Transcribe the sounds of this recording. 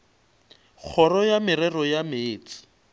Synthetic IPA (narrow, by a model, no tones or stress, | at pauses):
k͡xʰɔɾɔjamɪɾɛrɔjameːt͡sɪ̥